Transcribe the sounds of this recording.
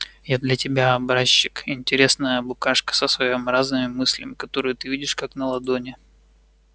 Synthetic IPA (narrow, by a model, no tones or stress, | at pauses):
jad̪lʲɐtʲɪbʲaɐbɾaɕːɪkɪnʲtʲɪɾʲe̞snəjəbʊkaʂkə̥səsvɐjomɾaznɨmʲɪmɨsʲlʲɪ̰mʲɪkɐt̪o̞ɾɨjʊt̪ɨvʲidʲɪʂkaknəlˠɐd̪onʲɪ